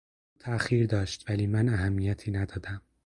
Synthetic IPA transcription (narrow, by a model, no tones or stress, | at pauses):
ut̪ʰæxiːɾd̪ɒːʃt̪væliːmænæɦæmːijæt̪ʰiːnæd̪ɒːd̪æm